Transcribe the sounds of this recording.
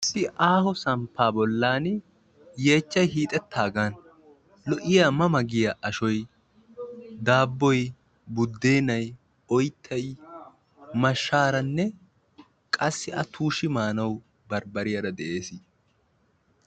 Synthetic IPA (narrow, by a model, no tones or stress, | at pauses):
ɪsːɪʔaːhɔsɐmpʰːaːbɔlːaːn | je̞ːt͡ʃːɐjɦiːt̪ʼɛt̪ʰːaːɡaːn | lɔʔɪjaːmɐmɐɡɪjɐʔɐʃɔj | d̪aːbːɔj | bʊd̪ːeːnɐj | ɔjt̪ʰːɐj | mɐʃːaːɾɐnːɛ | kʼɐsːɪʔɐt̪ʰuːʃɪmaːnɐw | bɐɾbɐɾɪjɐɾɐd̪ɛʔeːsɪ